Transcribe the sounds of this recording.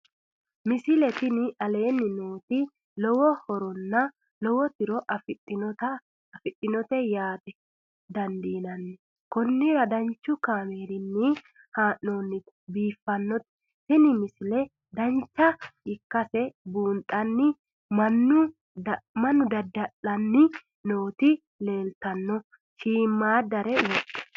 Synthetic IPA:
mɪsɪlɛt̪ɪnɪʔɐle̞ːnːɪnoːt̪ɪ | lɔwɔhɔɾɔnːɐ | lɔwɔt̪ɪɾɔʔɐfɪtɐ | fɪtːɪnɔt̪ɛjaːt̪ɛ | d̪ɐnd̪iːnɐnːɪ | kɔnːɪɾɐd̪ɐnt͡ʃːʊkaːmeːɾɪnːɪ | haːʔoːnːɪt̪ | biːfːɐnːɔt̪ | sɪnɪmɪsɪlɛ | d̪ɐnt͡ʃːɐɪkːɐsɛbuːnt̪ʼɐnːɪ | mɐnːʊ | mɐnːʊd̪ɐd̪ːɐʔɐnːɪ | no̞ːt̪ɪ | le̞ːlt̪ɐnːɔ | ʃiːmːaːd̪ɐɾɛwɔtːɛ̥

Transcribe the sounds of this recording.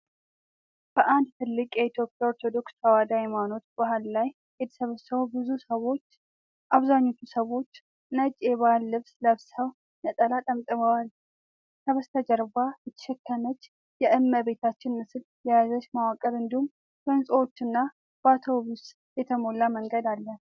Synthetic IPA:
b̥əʔand̪̚t̪ʰɨlːɨkʼjɛit̪ʰjo̞pʼjao̞ɾt̪ʰo̞d̪o̞kst̪ʰawad̪ajemano̞t̪b̥ahalːaj | het̪ʰsəβsəwbɨzusəwo̞t͡ʃː | ʔaβzaɲːo̞t̪ʰusəwo̞t͡ʃː | nət͡ʃʼːeβahlːɨβsləβsəw | nət̪ʼəlat̪ʼəmt̪ʼɨməwal | sʰəβəst̪ʰəd͡ʒəɾbajɨt̪ʰːə̥ʃɛkʰːənət͡ʃː | jɛʔɨmːəbe̞t̪ʰat͡ʃːɪnmɨsɨl | jɛjazəʃmawakʼəɾɨnd̪ihum | fənsʼəwo̞t͡ʃːɨnːa | b̥at̪ʰobus | jɛt̪ʰəmo̞lːaməŋɡəd̪alːən

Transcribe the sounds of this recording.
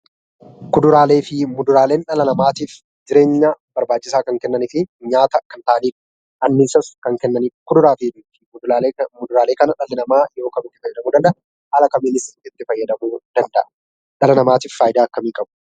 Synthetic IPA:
kʊd̪ʊɾaːle̞ːfɪmʊd̪ʊɾaːle̞ːnᶑɐlɐnɐmaːt̪iːf | d͡ʒɪɾe̞ːɲːabɐɾbaːt͡ʃːɪsaːkɐŋkɛnːɐnɪfɪɲaːt̪ɐkɐnt̪aːniːk | ʔɐnːɪsɐskɐŋkɛnːɐnɪkʊd̪ʊɾaːt̪iːd̪iːfɪ | mʊd̪ʊɾaːleːkɐnɐᶑɐlːɪnɐmaːjo̞ːkɐmɪt̪ːɪ̥fɐjːɐd̪ɐmuːd̪ɐnd̪ɐʔɐ | haːlɐkɐmɪnɪsɪt̪ːɪfɐjːɐd̪ɐmuːd̪̥ɐnd̪ɐ̰ʔɐ | ᶑɐlɐnɐmaːt̪iːffaːjɪd̪aːɐkːɐmiːkʼɐbʊ

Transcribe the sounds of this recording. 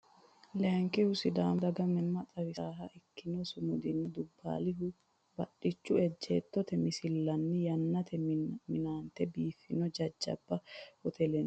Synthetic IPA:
lɛŋkɪhʊsɪd̪aːmd̪ɐɡɐmɛnːɐt͡sʼɐβɪsaːɦɐʔɪkːɪnɔsʊmʊd̪ɪnːɪd̪ʊbːa̰ːlɪɦʊ | bɐɗɪt͡ʃːʊɛd͡ʒːḛːt̪ːɔt̪ɛmɪsɪlːɐnːɪjɐnːɐt̪ʰɛmɪnaːnt̪ɛbiːfːɪnɔd͡ʒɐd͡ʒːɐ̰bːɐhɔt̪ʰɛlɛn

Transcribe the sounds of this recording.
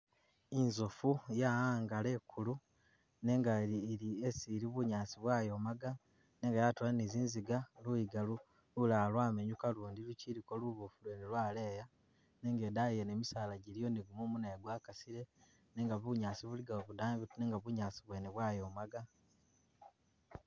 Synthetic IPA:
inzofujaaːŋɡale̞kʰulu | ne̞ŋɡailiesiɾiβuɲaːsiβwaːjo̞ːmaɡa | ne̞ːŋɡajatolaniziːnziɡalujiɡalu | lulaːlwaːme̞ɲukaluːndiluciɾiko̞luβufulenilwaːle̞ja | ne̞ːŋɡe̞ːdaijeneːmisaːlaɟilijo̞niɡumumunaeɡwaːkasiɾe | neːŋɡaβuɲaːsiβuliɡaoβudaːmβituneːŋɡaβuɲaːsiβwe̞ːneβwaːjo̞ːmaɡa

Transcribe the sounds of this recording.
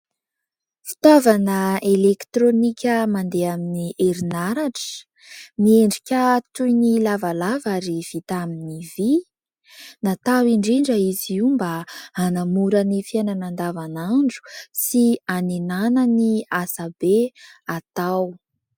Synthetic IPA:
fi̥t̪ovanəelekt̪ɾonikʲəmand̪eaminiʔeɾinaɾaʈ͡ʂə̥ | mieɳɖ͡ʐikʲət̪ujnilavalavaɾiv̥it̪aminivi | nat̪awiɳɖ͡ʐiɳɖ͡ʐəiziumbaanamuɾənifiananand̪avanaɳɖ͡ʐu̥sianenanəniasabeat̪aw

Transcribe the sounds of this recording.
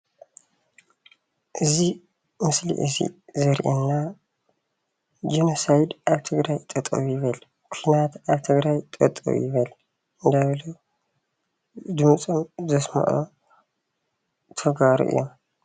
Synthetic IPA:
ʔɨzi | mɨslḭʔɨzḭzɐɾʔenːa | d͡ʒinosajd̪ʔaβt̪ʰɨɡɾajt̪ʼɐt̪ʼɐ̰βjɪβɐl | kʰinat̪ʔaβt̪ʰɨɡɾajt̪ʼɐt̪ʼɐ̰β̰jɪβɐl | ʔɨnd̪ajβlo | d̪ɨmɨt͡sʼomzɐsmɐ̰ʔo̰ | t̪ʰɐɡaɾṵʔɨ̰jːo̰m

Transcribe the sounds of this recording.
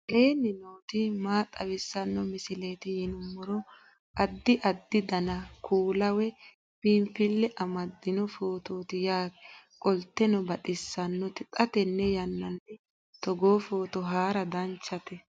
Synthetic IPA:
ʔeːnɪnoːt̪ɪmaːt̪ʼɐwɪsːɐnːɔmɪsɪleːt̪ɪjɪnʊmːɔɾɔ | ʔɐd̪ːɪʔɐd̪ːɪd̪ɐnɐkʰuːlɐwɛ | pɪmfɪlːɛʔɐmɐd̪ːɪnɔfoːt̪oːt̪ɪjaːɛ | kʼɔlt̪ːɛnɔbɐt̪ʼɪsːɐnːɔt̪ɪt̪ʼɐt̪ɛnːɛjɐnːɐnːɛ | t̪ɔɡoːfo̞ːt̪ɔɦaːɾɐd̪ɐnt͡ʃːɐt̪ɛ

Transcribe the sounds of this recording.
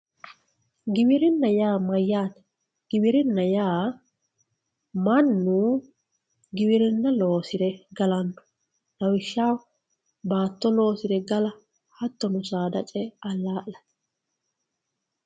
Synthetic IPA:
ɡɪbɪɾɪnːɐjaːmɐjːaːt̪ɛ̥ | ɡ̥ɪbɪɾɪnːɐjaː | mɐnːu | ɡɪbɪɾɪnːɐloːsɪɾɛɡɐlɐnːɔ̥ | nɐwɪʃːaːw | baːt̪ːɔlo̞ːsɪɾɛɡɐlɐ | hɐt̪ːɔnʊsaːd̪ɐt͡ʃʼɛɐlːaːʔlɐ

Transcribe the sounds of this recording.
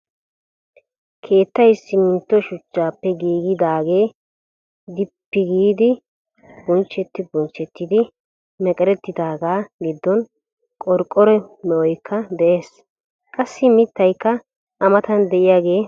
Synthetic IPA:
kʰe̞ːt̪ːɐjsːɪmɪnt̪ːɔʃʊt͡ʃːaːpːɛɡiːɡɪd̪aːɡe̞ː | d̪ɪpːɪɡiːd̪ɪ | b̥ɔnt͡ʃːɛt̪ːɪbɔnt͡ʃːɛt̪ːɪd̪ɪ | mɛkʼɛɾɛt̪ːɪd̪aːɡaːɡɪd̪ːɔn | kʼɔɾkʼːɔɾɛmɛʔɔjkʰːɐd̪ɛʔe̞ːs | kʼɐsːɪmɪt̪ːɐjkːɐ | ʔɐmɐt̪ɐnd̪ɛʔɪjaːɡe̞ː

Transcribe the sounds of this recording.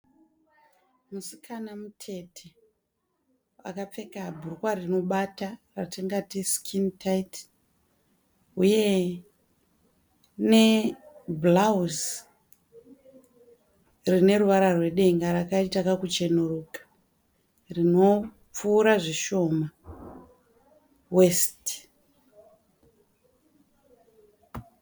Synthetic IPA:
musikʰanamutʰe̞tʰe | wa̰kap͡fe̞kabʱurukwarino̞ɓataratiŋɡatiskʰintait | uje̞ | ne̞blauz | rine̞ruʋaɾarwe̞ɗe̞ŋɡaɾakaitakakut͡ʃe̞nuɾukḁ | rino̞ | p͡fuːɾaʐiʃo̞ma | we̞st

